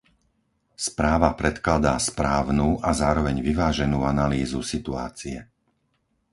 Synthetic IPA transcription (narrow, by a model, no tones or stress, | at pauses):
spɾaːʋapɾɛt̪klad̪aspɾaːʊnuːʔazaːɾɔʋɛɲʋiʋaːʒɛnuːanaliːzusit̪ua̰ːt͡siɛ